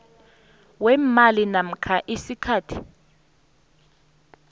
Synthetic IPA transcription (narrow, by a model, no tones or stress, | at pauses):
wɛmalinam̩kʰaʔisikʰaːtʰi̥